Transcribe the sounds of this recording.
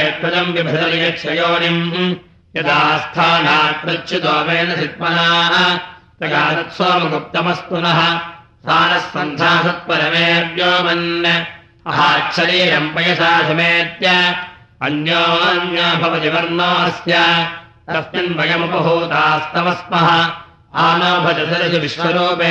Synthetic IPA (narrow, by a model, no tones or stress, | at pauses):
jɐt̪pɐd͡ʒ̪ɐmʋibʱɐd̪ɐlijɐkʃʰɐjoːnim | jɐd̪aːst̪ʰaːnaːt̪ɾɐtt͡ʃʰud̪aːmeːnɐsit̪̚mɐnaːɦɐt̪ɐɡaːt̪ɐt̪soːmɐd̪up̚t̪ːɐmɐst̪unɐɦɐ̆ | saːnɐsːɐnd͡ʒ̪ʱaːsɐt̪̚pɐɾɐmeːɐd̪joːmɐnjɐ | ɐɦaːt͡ʃʰɐɾiːɾɐmpɐjɐsaːsɐmeːɐt̪jaː | ɐnjoːɐnjaːbʱɐʋɐd͡ʒiʋɐɾnoːɐsjaː | sɐst̪inbɐɡɐmɐpɐɦuːt̪aːst̪ʰɐmɐsmɐɦɐ̆ | aːnoːbʱɐd͡ʒɐsɐɾɐsɐʋiʃʋɐɾoːpeː